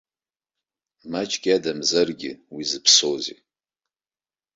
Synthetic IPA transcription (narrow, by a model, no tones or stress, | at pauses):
mat͡ʃʼɡʲʼadamzarɡʲɪ̰wizɨpʰsozḭ